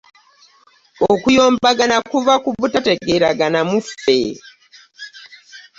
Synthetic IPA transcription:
okujo̞ːmbaɡanakuvakuβutate̞ɡe̞ɾaɡanamufe̞̰

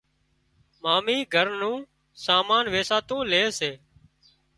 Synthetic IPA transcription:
maːmiːɡʱəɾnũː | saːmaːnʋeːsaːt̪ũːleːseː

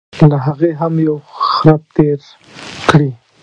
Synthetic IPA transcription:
laɦaɣeɦamjawxɾap̚t̪eɾ | kɽi

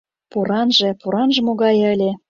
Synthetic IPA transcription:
puɾɑnʒĕpuɾɑnʒĕmoɣɑjə̆lʲĕ

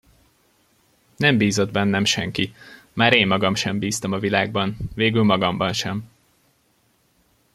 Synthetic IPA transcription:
nɛmbiːzo̞d̪bɛnːɛmʃɛŋki | maːɾeːmːɒɡɒmʃɛmbiːst̪ɒmɒvilaːɡ̚bɒnveːɡylmɒɡɒmbɒnʃɛm

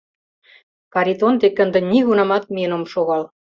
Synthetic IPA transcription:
kɑɾʲit̪ond̪ekːə̆nd̪ə̆nʲiɣunɑmɑt̪̚mʲenomʃoɣɑl

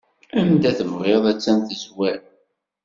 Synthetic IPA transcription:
æmd̪æθəmʁeðˤæt͡sːænθizwæɾ

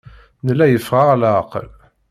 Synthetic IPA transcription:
nəlːæjəfʁaʁlæqə̰l

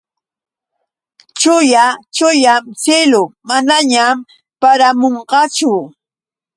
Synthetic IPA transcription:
t͡ʃʊjat͡ʃʊjamsɪlʊmanaɲam | paɾamoɴɢɑt͡ʃʊ

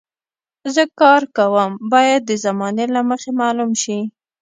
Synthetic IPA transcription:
zəkɑɾkawəmbɑjad̪̚ːəzamɑnelaməxemɑlumʃi

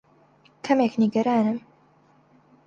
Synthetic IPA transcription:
kʰɐmeːkniɡɐɾaːnɨm

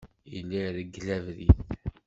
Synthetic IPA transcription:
ilːiɾəɡːlævɾiθ

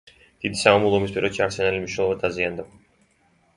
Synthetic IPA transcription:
d̪̥id̪isaamulˠɔmispʼiɾɛt͡ʃʰiaɾsɛnalimniʃnɛlˠɔvad̪aziand̪a

